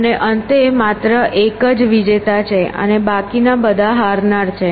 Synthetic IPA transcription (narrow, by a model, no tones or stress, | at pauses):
əneʔənt̪emat̪ɾəʔekəd͡ʒʋid͡ʒet̪at͡ʃʰeə̰nebakinabəd̪ʱaɦaɾnaɾt͡ʃʰe